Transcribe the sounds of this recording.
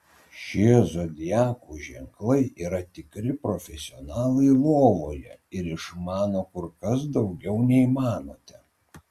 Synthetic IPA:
ʃʲiɛzoːd̪ʲɪjɑːkuːʒʲɛŋklˠɐɪʔiːɾɐt̪ʲɪkɾʲɪpɾofʲɛsʲɪɔnɑːlˠɐɪlˠoːʋoːjɛɪɾɪʃmɑːnoːkʊɾkɐs̬d̪ɒʊɡʲɛʊnʲɛiːmɑːnoːt̪ʲɛ

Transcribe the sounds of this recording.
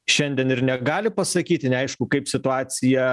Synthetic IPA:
ʃʲɛnʲd̪ʲiɛnɪɾnʲɛɡɑːlʲɪpɐsɐkʲiːt̪ʲɪnʲɛɐɪʃkʊkɐɪpsʲɪt̪ʊɑːt̪sʲɪjɛ

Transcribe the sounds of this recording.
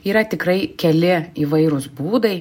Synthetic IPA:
iːɾɐt̪ʲɪkɾɐɪkʲɛlʲɪiːʋɐɪɾʊsbuːd̪ɐɪ

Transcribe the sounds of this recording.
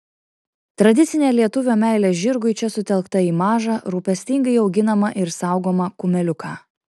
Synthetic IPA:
t̪ɾɐd̪ʲɪt̪sʲɪnʲeːlʲiɛt̪ʊʋʲoːmʲæˑɪlʲeːʒʲɪɾɡʊɪt͡ʃʲɛsʊt̪ʲɛlˠkt̪ɐiːmɑːʒɑɾuːpʲɛsʲt̪ʲɪŋɡɐɪɒʊɡʲɪnɐmɐʔɪɾsɑˑʊɡoːmɐkʊmʲɛlʲʊkɑː

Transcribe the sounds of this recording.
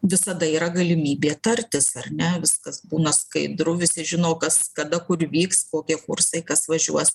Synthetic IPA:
ʋʲɪsɐd̪ɐiːɾɐɡɐlʲɪmʲiːbʲeːt̪ɐrʲt̪ʲɪsɐrnʲɛʋʲɪskɐsbuːnɐskɐɪd̪ɾʊʋʲɪsʲɪʒʲɪnoːkɐskɐd̪ɐkʊrʋʲiːkskoːkʲiɛkʊrsɐɪkɐsʋɐʒʲuɔs

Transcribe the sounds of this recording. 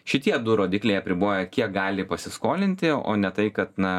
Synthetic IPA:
ʃʲɪt̪ʲiɛd̪ʊɾoːd̪ʲɪːklʲɛɪɐpʲɾʲɪboːjɛkʲiɛk̚ɡɑːlʲɪpɐsʲɪskoːlʲɪnʲt̪ʲɪo̰ːnʲɛt̪ɐɪkɐt̪nɐ

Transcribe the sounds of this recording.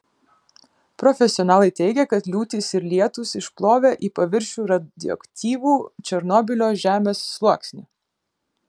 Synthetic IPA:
pɾɔfʲɛsʲɪɔnɑːlˠɐɪt̪ʲɛɪɡʲɛkɐt̪lʲuːt̪ʲiːsɪɾlʲiɛt̪ʊsɪʃplˠoːʋʲeːʔiːpɐʋʲɪɾʲʃʲuːɾɐd̪ʲɪ̰ɔ̰kt̪ʲiːʋuːt͡ʃʲɛɾnɔːbʲɪlʲoːʒʲæːmʲeːsːlˠuɔksʲnʲɪ

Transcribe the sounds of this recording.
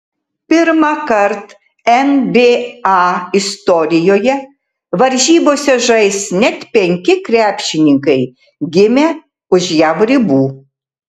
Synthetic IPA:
pʲɪɾmɑkɐɾt̪ | ɛnbʲeːɑːɪst̪ɔɾʲɪjoːjɛ | ʋɐɾʲʒʲiːboːsʲɛʒɐɪsnʲɛt̪pʲɛŋʲkʲɪkɾʲæːpʲʃʲɪnʲɪŋkɐɪ | ɡʲɪmʲeː | ʊʒjæʋɾʲɪbuː

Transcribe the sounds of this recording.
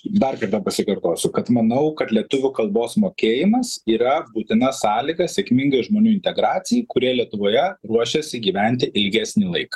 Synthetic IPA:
d̪ɐrkɐɾt̪ɐpɐsʲɪkɐɾt̪oːsʲʊkɐt̪mɐnɐʊkɐt̪lʲiɛt̪ʊʋʲʊkɐlˠboːsmoːkʲeːjɪmɐsiːɾɐbuːt̪ʲɪnɐsɑːlʲɪɡɐsʲɛkmʲɪŋɡɐɪʒmoːnʲuːɪnʲt̪ʲɛɡɾɑːtsʲɪjɛɪkʊɾʲiɛlʲiɛt̪ʊʋoːjɛɾuɔʃʲɛsʲɪɡʲiːʋʲænʲt̪ʲɪʔɪlʲɡʲæːsʲnʲɪlˠɐɪkɐ̥

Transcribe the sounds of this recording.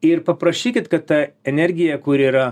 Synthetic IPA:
ɪɾpɐpɾɐʃʲiːkʲɪt̪kɐt̪t̪ɐɛnʲɛɾʲɡʲɪjɛkʊɾʲiːɾɐ

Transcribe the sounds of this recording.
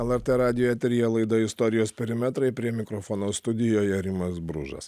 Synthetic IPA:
ɛlˠɛɾʲt̪ʲɛɾɑːd̪ʲɪjojɛt̪ʲɾʲɪjɛlˠɐɪd̪ɐɪst̪ɔɾʲɪjoːspʲɛɾʲɪmʲɛt̪ɾɐɪpʲɾʲiɛmʲɪkɾɔfoːnoːst̪ʊd̪ʲɪjoːjɛɾʲɪmɐsbɾʊ̰ʒɐ̰s

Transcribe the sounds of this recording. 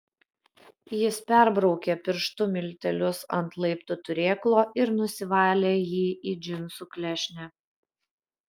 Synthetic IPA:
jɪspʲɛɾbɾɒʊkʲeːpʲɪɾʃt̪ʊmʲɪlʲt̪ʲɛlʲʊsɐnt̪lˠɐɪpt̪ʊt̪ʊɾʲeːklˠoːɪɾnʊsʲɪʋɑːlʲeːjiːid͡ʒʲɪnʲsuːklʲɛʃʲnʲɛ

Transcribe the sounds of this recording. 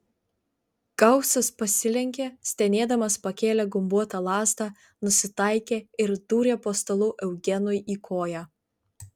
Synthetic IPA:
ɡ̥ɐʊsɐspɐsʲɪlʲɛŋʲkʲeːsʲt̪ʲɛnʲeːd̪ɐmɐspɐkʲeːlʲɛɡʊmbuɔt̪ɑlˠɑːzd̪ɑ | nʊsʲɪt̪ɐɪkʲeːɪɾd̪̥uːɾʲeːpoːst̪ɐlˠuːʔɛʊɡʲɛnʊjʔiːkʰoːjæː

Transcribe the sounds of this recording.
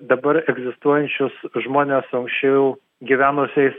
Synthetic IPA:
d̪ɐbɐɾɛɡzʲɪst̪uɔjɛnʲt͡ʃʲʊsʒmoːnʲeːsɐŋksʲt͡ʃʲɛʊjʊ | ɡʲiʋʲæːnʊsʲɛɪs

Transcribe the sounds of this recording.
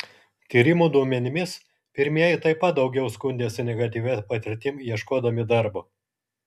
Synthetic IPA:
t̪ʲiːɾʲɪmuːd̪uɔmʲɛnʲɪmʲɪs | pʲɪɾʲmʲiɛjɪt̪ɐɪpɐt̪̚d̪ɒʊɡʲɛʊskʊnʲd̪ʲeːsʲɪnʲɛɡɐt̪ʲiːʋʲɛpɐt̪ʲɪɾʲt̪ʲɪmjiɛʃkoːd̪ɐmʲɪd̪ɐɾbo

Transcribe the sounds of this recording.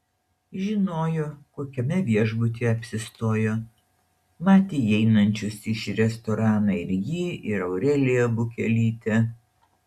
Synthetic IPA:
ʒʲɪnoːjoːkoːkʲɛmʲɛʋʲiɛʒbʊt̪ʲiɛɐpʲsʲɪst̪oːjoː | mɑːt̪ʲeːjɛɪnɐnʲt͡ʃʲʊsɪʃɾʲɛst̪ɔɾɑːnɐɪɾʲjiɪɾɐʊɾʲɛlʲejɛbʊkʲɛlʲiːt̪ʲɛ

